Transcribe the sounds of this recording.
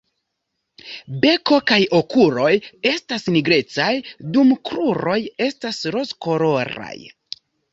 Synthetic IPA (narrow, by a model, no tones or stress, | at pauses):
be̞ko̞kajo̞kuɾo̞je̞stasniɡɾe̞t͡sajdumkɾuɾo̞je̞stasɾo̞sko̞ɾo̞ɾa̰j